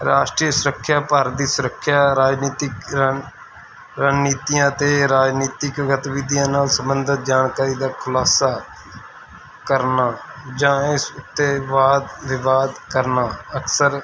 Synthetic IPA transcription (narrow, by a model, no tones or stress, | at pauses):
ɾaːʃʈɾiːəsʊɾəkʰːjaːpaːɾd̪iːsʊɾəkʰːjaːɾaːd͡ʒniːt̪ɪk | ɾənniːt̪ijãːt̪eːɾaːd͡ʒniːt̪ɪkɡət̪ʋɪd̪jãːnaːlsəmbənd̪ʱət̪̚d͡ʒaːnkaːɾiːd̪aːkʰʊlaːsaː | kəɾnaːd͡ʒãːɪsʊt̪ːeːʋaːd̪ʋɪʋaːd̪kəɾnaːəksəɾ